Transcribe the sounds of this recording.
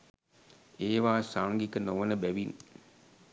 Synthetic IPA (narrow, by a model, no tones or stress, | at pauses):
eːʋaːsaŋɡikənoʋənəbæʋin